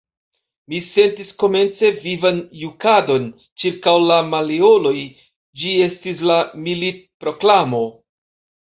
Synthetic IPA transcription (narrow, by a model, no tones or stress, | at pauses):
mise̞ntisko̞me̞nt͡se̞vivanjukado̞n | t͡ʃiɾkawlamaleo̞lo̞j | d͡ʒie̞stis̬lamilit̚pɾo̞klamo̞